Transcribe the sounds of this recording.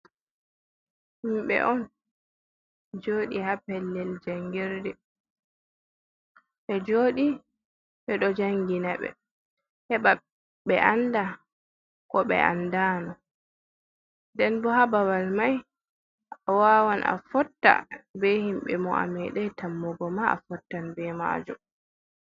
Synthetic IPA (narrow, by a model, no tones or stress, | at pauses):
himɓɛ̰ʔɔn | d͡ʒoːɗihapɛlːɛld͡ʒaŋɡɛɾdɛ | ɓɛd͡ʒoːɗi | ɓɛɗɔd͡ʒaŋɡinaɓɛ̰ | hɛɓa | ɓɛʔanda | kɔɓɛ̰ʔa̰ndaːnɔ | ndɛnbɔhabawalmaj | awaːwanʔa̰fɔtːa̰bɛhimɓɛmɔa̰mɛɗɛtamːɔɡɔmaa̰fɔtːanbɛma̰ːd͡ʒɔ